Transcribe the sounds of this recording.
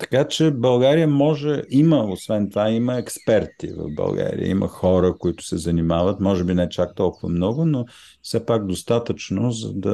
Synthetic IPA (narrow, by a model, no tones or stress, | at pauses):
t̪ɐ̥kat͡ʃɛbɐlˠɡaɾijəmɔʒɛiməosvɛnt̪ovaiməɛkspɛɾt̪ḭvɐ̰vbɐ̰lˠɡa̰ɾḭə̰ḭmə̰xɔɾəkoit̪ʊ̥sɛzɐnimavət̪mɔʒɛbinɛt͡ʃak̚t̪ɔlˠkʊvə̰mnɔɡʊno | fsɛpaɡ̚d̪ost̪at̪ət͡ʃnozə̰d̪ɐ